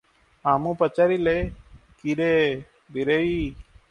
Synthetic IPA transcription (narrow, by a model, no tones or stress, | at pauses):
aːmũːpət͡ʃaːɾiːleːkiɾeː | biɾeiː